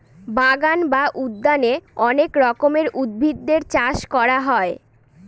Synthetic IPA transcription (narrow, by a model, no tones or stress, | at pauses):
baɡanbaʔud̪ːaneɔnekɾɔkomeɾʔud̪̚bʱid̪ːeɾt͡ɕaʃkɔɾaɦɔe